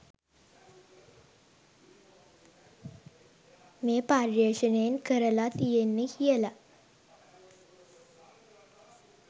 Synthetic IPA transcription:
mepaɾjeɕənenkəɾəlat̪ijenːihiɛla

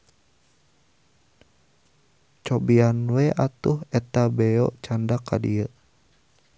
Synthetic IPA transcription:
t͡ʃɔbianwɛʔat̪uhɛt̪abɛɔ̰t͡ʃandakadḭə

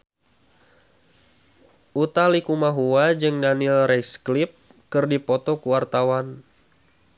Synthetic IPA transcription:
ʔut̪alikumaɦuwad͡ʒɨŋdanilrɛsklɪp̚ | kɨrdipɔt̪ɔkuwart̪awan

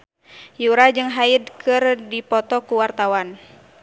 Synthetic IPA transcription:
juɾad͡ʒɨŋɦaidkʰɨrdipɔt̪ɔkuwart̪awan

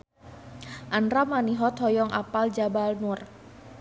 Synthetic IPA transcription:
ʔanramaniɦɔt̪hɔjɔŋʔa̰pald͡ʒabalnur

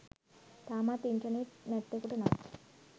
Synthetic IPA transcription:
t̪amat̪int͡ʃaniɾnɛt̪ːekuʈena

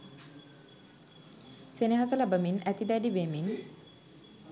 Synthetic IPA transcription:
seneɦasəlabəminæt̪id̪ɛɖibemin

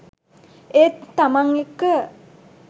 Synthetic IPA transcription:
et̪ːamaŋekːə

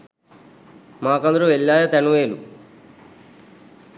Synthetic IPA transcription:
maːkɐnd̪ɐɾuʋelːaːjɐt̪ɐɳuʋeːlu

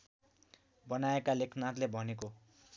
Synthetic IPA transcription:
bʌnaekalekʰnat̪lebʱʌneko

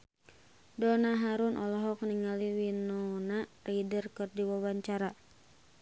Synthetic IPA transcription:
dɔnaɦaɾunʔɔlɔɦɔk̚niŋaliwinɔnaridərkɨrdiwawaɲt͡ʃaɾa

